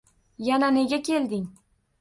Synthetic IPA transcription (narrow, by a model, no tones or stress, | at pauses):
janane̞ɡʲakʲʰe̞ld̪ɪŋ